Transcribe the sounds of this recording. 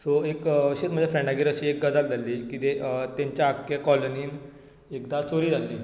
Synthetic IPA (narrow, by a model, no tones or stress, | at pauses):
soekɕet̪m̤əd͡ʑjafɾɛ̃ɳɖaɡeːɾəɕiːek̚ɡəd͡zald͡zʱalːiːkit̪et̪jãɲt͡ɕjaakjakɔloniːn | ekd̪at͡soɾiːd͡zʱalːiː